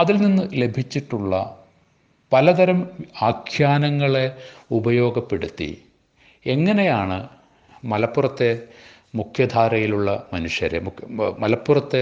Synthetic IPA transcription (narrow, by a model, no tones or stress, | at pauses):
ɐðilninːɨle̞bʱit͡ɕːiʈːuɭːɐ | pɐlɐd̪ɐɾɐmaːkʰjaːnɐŋːɐɭe̞ubɐjo̞ːɡɐpːe̞ɽut̪ːḭ | e̞ŋːɐne̞jaːɳɨ | mɐlɐpːurɐt̪ːe̞ | mukʰjɐd̪ʱaːɾɐjiluɭːɐmɐnuʂjɐɾḛmumɐlɐpːurɐt̪ːe